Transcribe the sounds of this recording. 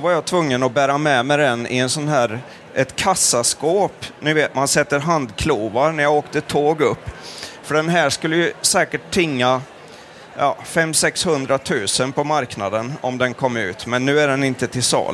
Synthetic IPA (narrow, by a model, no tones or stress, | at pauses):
ɔvaɾjɑt̪ʰvɵŋːənɔbæːɾamɛmɛɪd̪ɛnɪ̰ɛnsɔnɦæːɾ | ʔɛt̪kʰasːaskoːpnʉ̟ːveːt̪mansɛt̪ːəɾɦand̪kʰluːvaɾɳæɾjaoːkt̪ət̪ʰoːɡɵpːfœɖɛnɦæːʂkɵlːəjɵsɛːkəʈʰːɪŋːa | jɑ̰ːfɛmːsɛkshɵnd̪ɾat̪ʰʉ̟ːsənpʰɔmaɾknad̪ənɔ̰md̪ɛnkʰɔmːɾʉ̟̰ːt̪mɛnːʉ̟ːæɖɛnɪnt̪ət̪ʰɪlsɑ̰ːl